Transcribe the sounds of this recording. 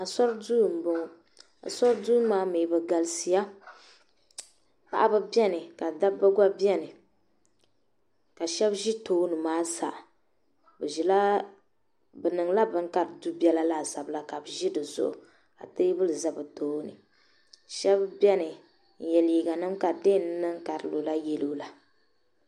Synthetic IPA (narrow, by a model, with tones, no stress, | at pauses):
a˨sɔ˦ɾduː˦˨m̩˨bo˨ŋ˦ | a̰˨sɔ˦ɾdu˦maː˦me˨bɨ˨ɡa˨lsi˨ja˦ | pa̰˨ʔa˦bɨ˦bjɛ˦nɨ˨ka˨da˦bbɨ˦ɡʷa˦bjɛ˦nɨ˨ | ka˨ʃɛ˦bʒi˦toː˦nɨ˨maː˦sa˨ʔ | bɨ˨ʒi˨la˦ | bɨ˨nɨ˨ŋla˦bɨ˦ŋ˦ka˨ɾɨ˨du˦bɛ˦la˦la˦˨za˨bla˦ka˨bɨ˨ʒi˦dɨ˨zʊ̰˨ʔʊ̰˨ | ka̰˨tɨ˦bɨ˦lɨ˨za˨bɨ˨toː˦nɨ̰˨ | ʃɛ˦bbʲɛ˦nɨ˨ | n̩˨jɛ˨li˨ɡa˨nɨ˦mka˨de˦˨n˦nɨ˦ŋ˦ka˨ɾɨ˦lo˨la˦jɛ˦loː˦la˨